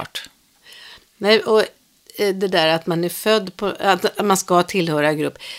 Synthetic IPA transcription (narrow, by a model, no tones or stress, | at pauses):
ʈ | nɛjʔɔ | d̪ɛd̪æːɾat̪manæɾfœd̪ːpʰɔat̪t̪manskat̪ʰɪlhœːɾaɡɾɵpː